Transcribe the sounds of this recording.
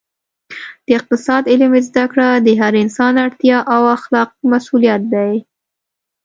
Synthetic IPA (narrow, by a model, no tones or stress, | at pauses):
d̪̥əɪq̚t̪ɪsɑd̪ɪlmezd̪akɽad̪əɦaɾɪnsɑnaɽt̪jɑʔawaxlɑq̚masulijat̪̚d̪aj